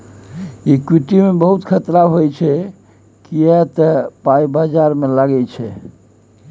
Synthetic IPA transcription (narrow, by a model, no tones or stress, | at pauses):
ikwiʈimebəɦut̪kʰət̪ɾaɦojt͡ʃʰɛ | kijɛt̪əpaibad͡ʒaɾmelaɡɛt͡ʃʰɛ